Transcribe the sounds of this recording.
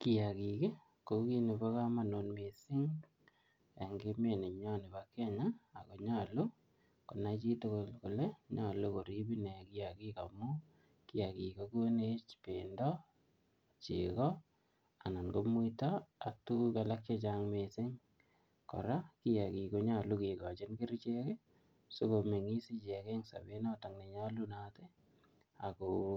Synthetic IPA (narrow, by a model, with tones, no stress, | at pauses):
ki˨ja˨ki˨ke˦ | ko˨˦ki˦ne˨ba˦ka˦ma˨no˨nme˨sɪ˦ŋ | a˨ŋɡe˦me˨ne˨ɲɔ˦ni˨ba˨ke˦ɲaː˦˨ko˨ɲa˦lo˦ | ko˨na˦t͡ʃi˦to˦ko˨lko˨le˦ɲa˨lo˦ko˨ɾi˦bi˦ne˨ki˦ja˨ki˦ka̰˨mu˦ | ki˦ja˨ki˨ko˦ko˦ne˦t͡ʃpe˨ndɔ˦ | t͡ʃḭkɔ | a˨na˨nko˦mu˦taa˨tu˦kalak̚t͡ʃe˦t͡ʃaŋmesɪ˦ŋ | kɔ̰˨ɾaki˦jaki˨ko˦ɲa˦˨lu˦ki˨kɔ˨t͡ʃɪ˦nki˦ɾt͡ʃeke˦ | so˦ko˨me˨ŋi˦si˦t͡ʃɛ˨ke˦ŋsa̰˨be˦na˦ta˨ŋne˨ɲa˦lunate˦ | a̰˨ko